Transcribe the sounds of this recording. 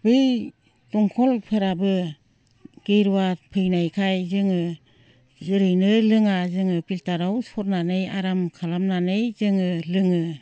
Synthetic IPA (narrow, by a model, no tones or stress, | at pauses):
bɯj | tɔŋkʰɔlpʰɯɾabɯ | ɡ̥eɾuwapʰɯjnajkʰajzɯŋɯ | zɯɾɯjnɯlɯŋazɯŋɯpiltaɾawsɔɾnanɯjaɾamkʰalamnanɯjzɯŋɯlɯŋɯ